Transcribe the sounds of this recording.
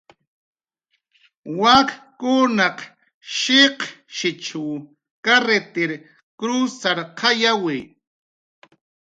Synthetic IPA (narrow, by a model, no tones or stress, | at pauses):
wakkʊnaq | ʃeqʃɪt͡ʃuw | kaɾet̪eɾ | kɾusaɾqʰɑjawi